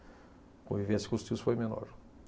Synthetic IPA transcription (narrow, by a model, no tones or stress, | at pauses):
kõvivesɪ̥kõʊst̪iwʊsfojmenɔ̰ɾ